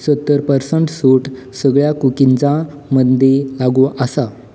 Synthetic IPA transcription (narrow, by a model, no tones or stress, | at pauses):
sət̪ːəɾpəɾsəɳʈsuːʈsəɡɭjakukiɲt͡sa | məd̪ʱːelaɡuʔəsa